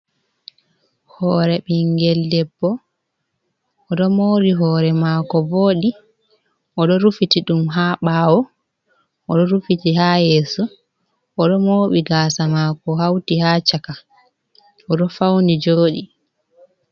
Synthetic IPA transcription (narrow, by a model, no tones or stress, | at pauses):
hɔːɾɛɓiŋɡɛldɛbːɔ | ʔɔɗɔmoːɾiɦɔːɾɛmakɔvoːɗi | ʔɔɗɔɾufitiɗumɦaːɓaːwɔ | ʔɔɗɔɾufitihajɛːsu | ʔɔɗɔmoːɓiɡasamakɔɦawtihaːt͡ʃaka | ʔɔɗɔfawnid͡ʒoːɗi